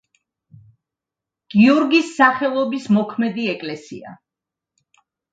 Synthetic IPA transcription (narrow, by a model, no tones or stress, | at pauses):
ɡ̥iɔɾɡisːaχɛlˠɔbismɔkʰmɛd̪iɛkʼlɛsḭa̰